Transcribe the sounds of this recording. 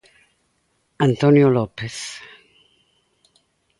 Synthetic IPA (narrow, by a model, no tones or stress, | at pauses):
ant̪onjolɔpes